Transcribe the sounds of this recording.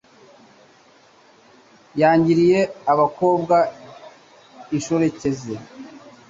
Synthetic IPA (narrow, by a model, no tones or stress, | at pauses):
jaːɲɟiɾije̞aβako̞ːbɡa | iʃo̞ɾe̞ce̞ze